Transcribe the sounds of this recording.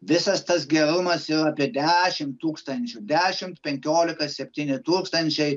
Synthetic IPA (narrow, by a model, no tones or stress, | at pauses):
ʋʲɪsɐst̪ɐs̬ɡʲɛɾʊmɐsiɾɐːpʲiɛd̪ʲæʃʲɪmt̪ːuːkst̪ɐnʲt͡ʃʲʊd̪ʲæːʃʲɪmt̪pʲɛŋʲkʲoːlʲɪkɐsʲɛpʲt̪ʲiːnʲɪt̪uːkst̪ɐnʲt͡ʃʲɛɪ